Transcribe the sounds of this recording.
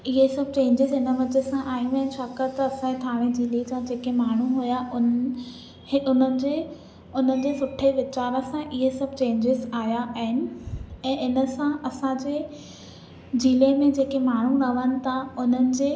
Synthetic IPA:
ɪɦesɐb̚ʱt͡ɕẽːɲd͡ʑɪzɦɪnəʋɐd͡ʑʱesãʔaːɦimɛ̃ːt͡ɕʰaːkat̪ɐɐsãet̪ʰaːʋ̃ẽd͡ʑiːlid͡ʑãd͡ʑeːkemaːɳ̤uɦujaʊn | ʊn̤ənɪ̆d͡ʑeː | ʊn̤ənɪ̆d͡ʑeːsʊʈʰeʋɪt͡ɕaːɾəsãʔɪɦesɐbʱt͡ɕẽːɲd͡ʑɪzaːɦjaʔaɦɪnɪ̆ɛ̃ːɪnə̆sãʔɐsãd͡ʑeː | d͡ʑiːlemẽd͡ʑeːkemaːɳ̤unɐʋənɪ̆t̪ʰaʊn̤ənɪ̆d͡ʑeː

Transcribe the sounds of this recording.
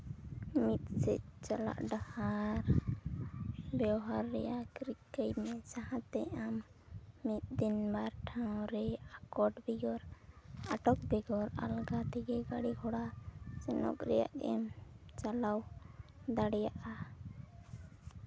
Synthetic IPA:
mit̪̚sɛt̚t͡ʃala̰ʔɖahaɾ | bɛwɦaɾːɛ̰jaʔkɾikːəjmɛt͡ʃaɦãt̪ɛamː | it̪̚d̪inbaɾʈʰãw̃ɾɛakɔɖbiɡɔɾaʈɔk̚biɡɔɾa̰lɡat̪ʰɛɡɛɡaɽiɡʰʱɔɽat͡ʃɛnɔ̰kɾɛ̰ja̰ʔɛmt͡ʃalawd̪aɽɛjaʔa

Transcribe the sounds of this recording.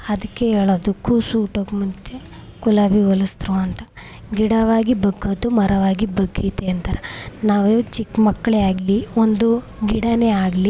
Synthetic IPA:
ɐd̪ɐkːeeːɭoːd̪ukusuːʈoːkmuɲt͡ʃe | kulaːbiʋɐlɐst̪ɾuɐnt̪ɐ | ɡiɽɐʋaːɡibɐɡːɐd̪umɐɾɐʋaːɡibɐɡːit̪eɐnt̪ɐɾɐnaːʋut͡ʃikːmɐkːɐɭeaːɡliond̪u | ɡiɽɐneaːɡli

